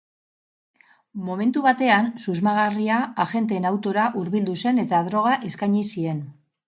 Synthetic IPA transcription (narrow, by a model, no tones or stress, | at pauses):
mo̞me̞nt̪uβat̪e̞ansuzmaɣ̞ariaaʝe̞nt̪e̞ːnawt̪o̞ɾaʔuɾβild̪use̞ne̞t̪aðɾo̞ɣ̞aʔe̞skajɲisie̞n